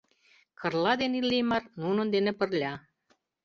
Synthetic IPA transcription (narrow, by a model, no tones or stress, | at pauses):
kʰə̆rlɑd̪enilːejmɑrnunə̆nd̪enĕpə̆rlʲɑ